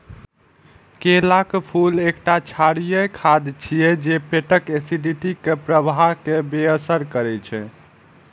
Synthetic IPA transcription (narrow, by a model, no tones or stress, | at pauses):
kelakpʰulekʈat͡ʃʰaɽijəjkʰad̪t͡ʃʰijɛd͡ʒepeʈəkesiɖiʈikepɾəbʱaɦkebeəsəɾkəɾɛt͡ʃʰɛ